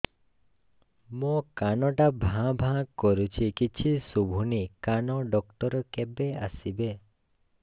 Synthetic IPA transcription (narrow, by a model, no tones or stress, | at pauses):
mokanɔʈabʱãbʱãkːɔɾut͡ʃʰikit͡ʃʰisubʱunikanɔɖɔkʈɔɾɔkebea̰sibe